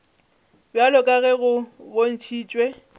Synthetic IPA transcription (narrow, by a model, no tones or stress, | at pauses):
bjalɔkʼaɣɛɣʊbon̩t͡ʃʰiːt͡ʃʼwe